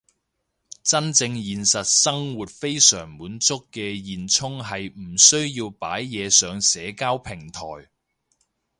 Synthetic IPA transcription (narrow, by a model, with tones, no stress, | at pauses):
t͡sɐ˥nt͡sɪ˧ŋjiː˨˧nsɐ˨t̚sɐ˥ŋwuː˨t̚fe˥jsœ̰ː˨˩ŋmuː˨˥nt͡sʊ˥kːɛː˧jiː˨nt͡sʰʊ˥ŋɦɐ˨jm̩˨˩sɵ˥ɥjiː˧wpa̰ː˨˥jːɛː˨˧sœː˨ŋsɛː˨˧˥kaː˥wpʰɪ˨˩ŋt̪ʰɔ̰ː˨˩j